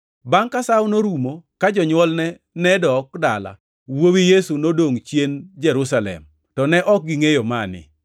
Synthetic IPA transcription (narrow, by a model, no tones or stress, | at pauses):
baŋkasawnoɾumokad͡ʒɔɲwɔlnɛ | nɛdɔkdala̰ | wowijesunodoŋt͡ʃjend͡ʒɛɾusalɛ̰m | tɔnɛʔɔk̚ɡiŋejomanɪ̰